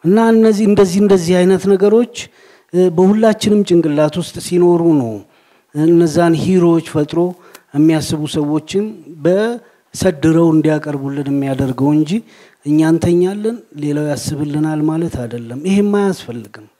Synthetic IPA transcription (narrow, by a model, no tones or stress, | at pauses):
ʔɨnːaɨnːəzːihɨnd̪əzːihɨnd̪əzːihajnət̪nəɡəɾo̞t͡ʃː | bəhulːat͡ʃːɪnɨmt͡ʃʼɪŋɡɨlːat̪wʊst̪ʼsino̞ɾunəw | ɨnːəzːanhiɾo̞t͡ʃːfət̪ʼɾo̞ | jɛmːijasːɨβusəwːo̞t͡ʃːɪnbə | səd̪ɨɾəwɨnd̪ijakʼəɾbulːɨnəmːijad̪əɾɡəwɨɲd͡ʒi | ʔɨɲːant̪ʰəɲːalːənle̞lawjasːɨβɨlːɨnalmalət̪ʰad̪əlːəmːɪhemːajasfəlːɨɡɨm